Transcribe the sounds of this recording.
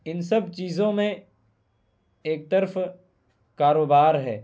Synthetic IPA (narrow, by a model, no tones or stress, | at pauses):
ɪnsɐb̚t͡ʃiːzõmẽ | eːk̚t̪əɾf | kaːɾoːbaːɾɦɛː